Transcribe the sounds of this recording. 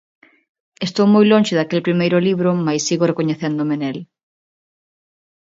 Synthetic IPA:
est̪owmojlõnʲʃɪðakelpɾimejɾʊliβɾʊmajsːiɣorekoɲeθend̪omenel

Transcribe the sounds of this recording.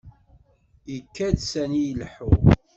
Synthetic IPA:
jəkːædsænijəlħu

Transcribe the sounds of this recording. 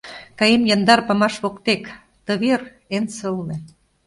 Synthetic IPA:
kɑjemjɑnd̪ɑrpɑmɑʃβokt̪ek | t̪ɤ̆βer | ensɤ̆lnĕ

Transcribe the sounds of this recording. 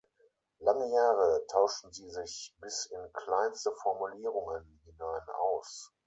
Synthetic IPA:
laŋəjaːʁətʰaʊʃn̩ziːzɪçb̥ɪsɪnkl̥aɪnstəfɔɐmuliːʁʊŋənhinaɪna̰ʊs

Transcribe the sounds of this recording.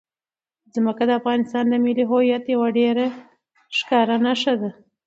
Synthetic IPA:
zməkad̪əafɣɑnɪst̪ɑnd̪əmɪliɦojat̪jawaɖeɾa | ʃkɑɾanaʂad̪a

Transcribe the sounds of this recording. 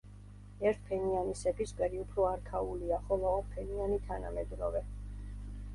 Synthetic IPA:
ɛɾt̪̚ʰpʰɛnianisɛbiskʼɛɾiupʰɾɔaɾkʰauliaχɔlˠɔɔpʰɛnianit̪ʰana̰mɛd̪ɾɔvɛ

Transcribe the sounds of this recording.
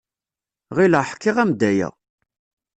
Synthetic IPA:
ʁiləħkːɪʁæmd̪æjæ̰

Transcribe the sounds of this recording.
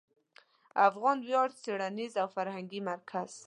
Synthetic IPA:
afɣɑnwjɑɾd̪seɽanizawfaɾhaŋɡimaɾkʰaz̥

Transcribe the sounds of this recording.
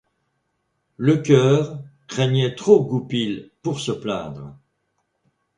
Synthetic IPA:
ləkʲœːʁkχɛɲɛt̪χoɡupilpuʁsəplɛ̰̃ːd̪ʁə

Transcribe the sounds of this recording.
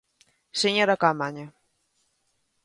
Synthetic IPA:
seɲoɾakamaɲa

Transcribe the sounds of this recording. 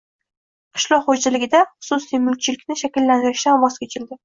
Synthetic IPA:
qʰɨ̥ʃlˠɒqχoalɪɡʲɪd̪aχʊ̥susijmʊl̚t͡ʃʰɪlɪkʲnɪʃakʲɪlːanɪɾɪʃd̪anwɒz̥kʲʰet͡ʃʰɪld̪ɪ

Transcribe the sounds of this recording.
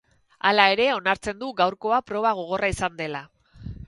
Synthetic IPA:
a̰lae̞ɾe̞o̞naɾt͡se̞nd̪uɡawɾko̞apɾo̞β̞aɣ̞o̞ɣ̞o̞raisand̪e̞la

